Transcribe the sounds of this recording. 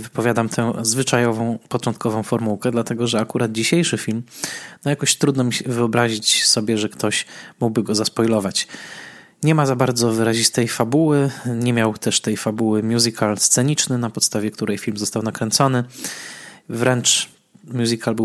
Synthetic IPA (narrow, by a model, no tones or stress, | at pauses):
vɘpɔvʲjad̪amt̪ʰɛ̃zvɘt͡ʂajɔvɔ̃w̃pɔt͡ʂɔnt̪̚kʰɔvɔ̃w̃fɔɾmuwkɛd̪lat̪ɛɡɔʐɛakuɾad̪̚d͡ʑiɕejʂɘfʲilmnɔjakɔɕt̪ɾud̪nɔmʲivɘɔbɾaʑit͡ɕsɔbʲjɛʐɛkt̪ʰɔɕmuɡ̚bɘɡɔzaspɔjlɔvat͡ɕ | ɲɛmazabaɾd̪zɔvɘɾaʑist̪ɛjfabuwɘɲɛmʲjawt̪ɛʂt̪ɛjfabuwɘmʲjuzikʰalst̪sɛɲit͡ʂnɘnapɔt̪st̪avʲjɛkt̪uɾɛjfʲilmzɔst̪awnakɾɛnt̪sɔnɘ | vɾɛnt͡ʂ | mʲjuzikʰalbɘw